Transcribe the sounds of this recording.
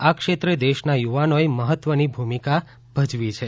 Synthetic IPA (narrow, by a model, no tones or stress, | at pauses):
akʃet̪ɾed̪eʃnajuʋanoeməɦət̪ʋənibʱumika | bʱəd͡ʒʋit͡ʃʰe